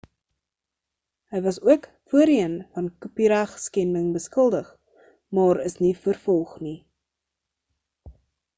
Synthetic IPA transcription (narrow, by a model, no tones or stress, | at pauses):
ɦəjvɐsuək | fuəɾiənfɐnkupiɾæχskɛndəŋbəskəlˠdəχ | mɑːɾəsnifərfɔlˠχni